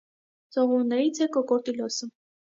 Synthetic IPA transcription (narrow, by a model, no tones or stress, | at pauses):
t͡sɔʁuɾnɛɾit͡sʰɛkɔkɔɾt̪ilɔsə